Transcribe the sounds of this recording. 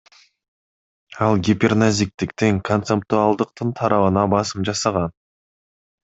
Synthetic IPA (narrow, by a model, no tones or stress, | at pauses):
ɑlˠɡʲipʲernazʲik̚t̪ikt̪iŋkʰo̞nt̪sep̚t̪uɑlˠd̪ɯqt̪ɯnt̪ʰɑɾɑβɯnɑbɑsɯmd͡ʒɑsɑʁɑn